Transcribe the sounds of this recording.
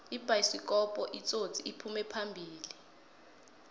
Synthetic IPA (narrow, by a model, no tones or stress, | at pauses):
ib̥ʱaisik̬ʼɔpʼɔʔit͡sʼo̥t͡sʼiipʰumɛpʰambʱiːli